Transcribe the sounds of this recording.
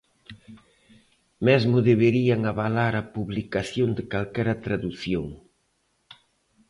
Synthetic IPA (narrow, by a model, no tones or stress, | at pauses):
mɛzmʊðeβeɾiaŋaβalaɾɐpuβlikaθjond̪ɪkalkɛɾɐt̪ɾaðuθjoŋ